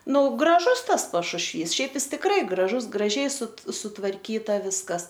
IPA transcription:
ˈnʊ ɡrɐˈʒʊs ˈtɐs pɐʃʊʃʲˈʋʲiːs ˈʃʲɛɪp ˈjɪs tʲɪkˈrɐɪ ɡrɐˈʒʊs ɡrɐˈʒʲɛɪ sʊ sʊtʋɐrʲˈkʲiːtɐ ˈʋʲɪskɐs

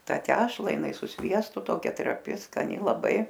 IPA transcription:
ˈtɑː ˈtʲæːʃlˠɐ jɪˈnɐɪ sʊ ˈsʲʋʲiɛstʊ ˈtoːkʲɛ trɐˈpʲɪ skɐˈnʲɪ lˠɐˈbɐɪ

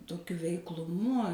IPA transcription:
toːˈkʲʊ ʋʲɛɪklˠʊˈmʊ

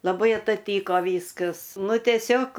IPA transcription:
lˠɐˈbɐɪ ɐtɐˈtʲiːkoː ˈʋʲiːskɐs ˈnʊ tʲiɛˈsʲoːk

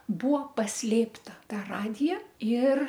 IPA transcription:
ˈbuːʋoː pɐsʲˈlʲeːptɐ ˈtɐ ˈrɑːdʲɪjɛ ɪr

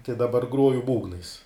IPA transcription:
tɐɪ dɐˈbɐr ˈɡroːjʊ ˈbuːɡnɐɪs

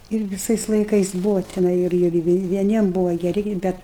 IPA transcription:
ɪr ʋʲɪˈsɐɪs lˠɐɪˈkɐɪs ˈbʊʋɐ tʲɪˈnɐɪ ɪr ɪr ɪr ʋʲiɛˈnʲiɛm ˈbʊʋɐ ɡʲɛˈrʲɪ ˈbʲɛt

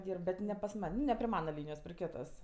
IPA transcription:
ˈdʲiːrp bʲɛt nʲɛ pɐs ˈmɐnʲ nʊ nʲɛ pʲrʲɪ ˈmɑːnɐ ˈlʲiːnʲɪjoːs pʲrʲɪ ˈkʲɪtoːs

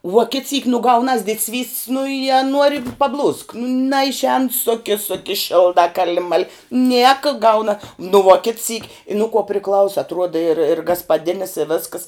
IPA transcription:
ʋuɔ kʲɪt sʲiːk nʊ ˈɡɐʊnɐs dʲɪtʲˈsʲʋʲiːsʲtʲsʲ nʊ ɪ ɐ ˈnuɔrʲɪ pɐˈblˠuːsk nɐɪʃʲˈɛːn ˈsoːkʲɛ ˈsoːkʲɛ ˈʃʲɪlˠdɑː ˈkɑːlʲɪ ˈmɑːlʲɪ ˈnʲiɛkɐ ˈɡɐʊnɐ nʊ ʋuɔ kʲɪt sʲiːkʲ ɪ nʊ kuɔ pʲrʲɪˈklˠɐʊsɐ ɐtˈruɔdɐ ɪr ɪr ɡɐspɐˈdʲɪnʲɪs ɪ ˈʋʲeːskɐs

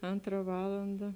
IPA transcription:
ˈɐntrɐ ˈʋɑːlˠɐndɐ

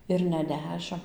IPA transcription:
ɪr nʲɛ ˈdʲæːʃʲɪm

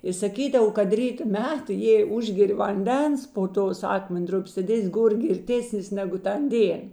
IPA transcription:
ɪ sɐˈkʲiːdɐw kɐt ˈrʲiːtoː ˈmʲɛt jɛɪ ˈʊʒʲɡʲɛrʲɪ ʋɐnʲˈdʲɛns poː ˈtoːs ˈɑːkmʲɛnˌdrʊpʲeːs tɐt ˈeːsʲ ˈɡoːr ɡʲɪrʲˈtʲeːsʲnʲɪs ˈnʲæːɡʊ ˈtɐn ˈdʲeːn

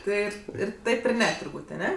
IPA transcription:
ˈtɜ ɪr ˈtɐɪp ɪr ˈnʲɛ tʊrˈbuːtʲ ɐˈnʲɛ

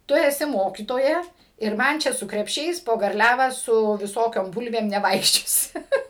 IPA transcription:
ˈtʊ ɛˈsʲɪ ˈmoːkʲiːtoːjɛ ɪr ˈmɐn t͡ʃʲɛ sʊ krʲɛpʲˈʃʲɛɪs poː ɡɐrʲˈlʲæːʋɑː sʊ ʋʲɪˈsoːkʲoːm ˈbʊlʲʋʲeːm nʲɛˈʋɐɪkʃʲt͡ʃʲoːsʲɪ

